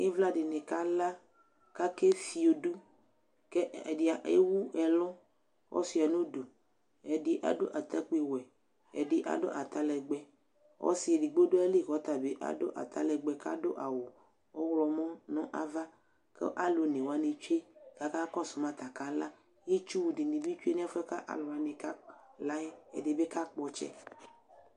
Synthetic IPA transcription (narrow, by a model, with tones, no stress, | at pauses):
e˦vla˦ɖe˨nẽ˨ka˦la˦ | ka˦ke˦fi˦o˨du˦ | kɛ˦ɛ̰˨di˨a˨ʔḛ˦wu˦ɛ˨lɔ̃˦ | wʔɔ̰˦si˦a˨nõ˦du˨ | ɛ˨di˦ʔa̰˨do˦ʔa˨t̪a˦k͡pe˦wɛ˨ | ɛ̰˨di˨ʔa̰˨do̰˦ʔa˨t̪a˦lɛ˨ɡ͡bɛ˦ | wɔ̰˦si˨˦e˨di˨ɡ͡bo˦do˦a˦li˦˨kɔ˨˦t̪a˨be˦ʔa̰˨do̰˦ʔa̰˨t̪a̰˦lɛ˨ɡ͡bɛ˨ka̰˦do˦ʔa˨wo˨ | ɔ˦wlɔ˨mɔ̃˦nɔ̃˦ʔa̰˦va˦ | kḛ˦ʔa˦lo˨nẽ˨wa˦nẽ˨t͡ʃu˦e˦ka˨ka˦kɔ˦su˨mã˦t̪a˨ka˦la˦ | je˦t͡ʃu˦wu˨ɖi˨nĩ˨bi˦t͡ʃu˦e˦ñ˦a˦fɛ˦ka˦ʔa̰˨lɔ˨a˨nẽ˨ka˦la˦e˦ḛ˨de˨be˦ka˦k͡pɔ˦t͡ʃɛ̰˦